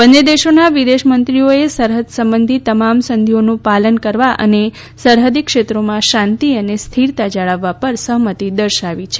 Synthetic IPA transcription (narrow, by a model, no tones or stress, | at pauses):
bənːed̪eʃonaʋid̪eʃmənt̪ɾioesəɾɦəd̪səmbənd̪ʱit̪əmamsənd̪ʱionũpalənkəɾʋaʔə̰ne | səɾɦəd̪ikʃet̪ɾomãʃãnt̪iənest̪ʰiɾt̪ad͡ʒəɭaʋːapəɾsəɦmət̪id̪əɾʃaʋit͡ʃʰe